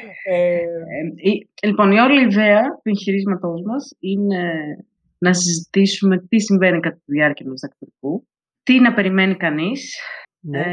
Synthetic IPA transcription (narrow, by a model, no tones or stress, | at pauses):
e | ilipo̞nio̞ɐlɐiðeɐt̪uẽ̞ŋçiɾizmɐt̪o̞zmɐsine̞ | nɐs̬izit̪isume̞t̪isiɱve̞nikɐt̪ɐt̪uðiɐɾciɐnust̪ɐkt̪ɾiku | t̪inɐpe̞ɾime̞nikɐnis